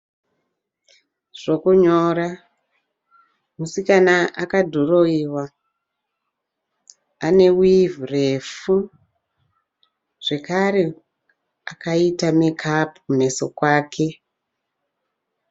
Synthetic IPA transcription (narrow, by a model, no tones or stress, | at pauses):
ʐ̥o̞kuɲoːɾa | musikanaʔakadʱoroiwa | ane̞wivrefu | ʐ̥e̞kaɾe̞ | akaitamekʰapukune̞so̞kwaːkʰe̞